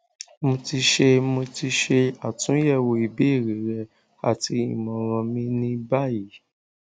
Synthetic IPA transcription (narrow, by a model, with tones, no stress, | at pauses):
mõ˧ti˧ʃe˧mo˧ti˧ʃe˧a˨tũ˨˦jɛ˦˨wo˧i˨be˨˦i˦˨ɾe˨˦ɾɛ˧ | a̰˨ti˧ḭ̃˨mɔ̃˨ɾ̃ɔ̃˧mĩ˦nĩ˧ba˦˨ji˨˦